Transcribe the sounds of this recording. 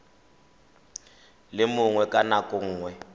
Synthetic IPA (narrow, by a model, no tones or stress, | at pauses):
lɪmʊŋwɛkʼanakʼʊŋ̩ːŋwɛ